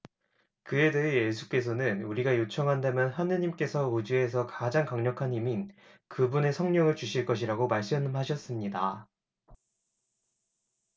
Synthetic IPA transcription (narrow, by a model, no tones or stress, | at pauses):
kɯe̞deɦeje̞s̬ʰu̥k͈e̞s̬ʰʌnɯnuɾiɡajot͡ɕʰʌŋɦandamjʌnɦanɯɲimk͈e̞sʰʌod͡ʑue̞s̬ʰʌkad͡ʑaŋkaŋɲʌkʰanimin | kɯbune̞sʰʌŋɲʌŋɯɭt͡ɕuɕʰiɭk͈ʌɕ̬ʰiɾaɡomaɭs͈ɯmɦaɕʰʌs͈ɯmɲida